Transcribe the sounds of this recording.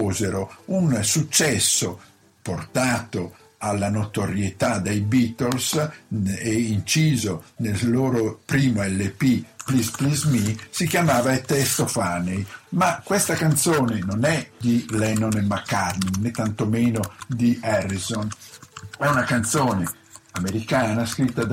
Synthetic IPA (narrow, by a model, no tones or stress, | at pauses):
oːzeɾounsut͡ʃːɛsːo | port̪aːt̪o | alːanot̪oɾjet̪ad̪ejbit̪ols | eint͡ʃiːzonelloːɾopɾiːmoɛlːepiplisplizmisikjamaːvaet̪est̪ofaːnejmakːwest̪akant̪soːnenonɛd̪ilɛnonemakːaɾninet̪ːant̪omeːnod̪iɛrːizon | ɛunakant̪soːne | ameɾikaːnaskɾit̪ːad̪